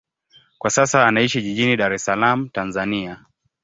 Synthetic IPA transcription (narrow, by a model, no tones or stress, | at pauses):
kwasasaːnaiʃiʄiʄiniɗaɾɛsalam̩tanzania